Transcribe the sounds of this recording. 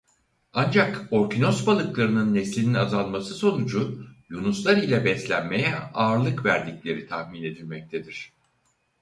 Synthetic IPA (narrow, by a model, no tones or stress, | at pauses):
and͡ʒako̞ɾcino̞sbalˠɯklˠaɾɯnɯnːeslʲininazanˠmasɯso̞nud͡ʒujunuslˠaɾilʲɛbɛslʲænme̞jɛaːɾlˠɯkvæɾd̪iclʲe̞ɾit̪ʰahmine̞d̪ilʲmɛc̚t̪ʰed̪iɾ̝̥